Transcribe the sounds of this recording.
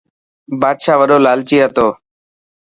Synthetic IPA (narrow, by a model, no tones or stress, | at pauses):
baːd̪ʃaːʋəɗoːlaːlt͡ʃiːat̪oː